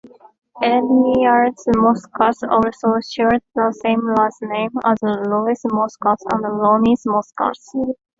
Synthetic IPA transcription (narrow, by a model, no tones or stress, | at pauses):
ɛnnijaɹdsmɔskʰɑsɔlsoʃɛɹd̪̚ðəsẽɪ̃mlasnẽɪ̃mə̰zəluɪsmɔskɔsə̰̃nðəlõnismɔskɑ̰s